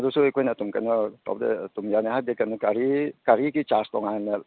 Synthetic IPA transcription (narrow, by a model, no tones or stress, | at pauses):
adusuekʰojnatumkajnɔtɔ̰bdḛtumjanaɦadekanɔkaɾikaɾikit͡ʃastɔŋana